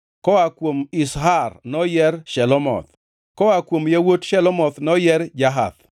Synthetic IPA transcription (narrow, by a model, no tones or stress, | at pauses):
kɔakwomisɦarnɔjɛɾʃɛlɔmɔ̰t̪ | kɔakwomjawotʃɛlɔmɔt̪nɔjɛɾd͡ʒaɦa̰t̪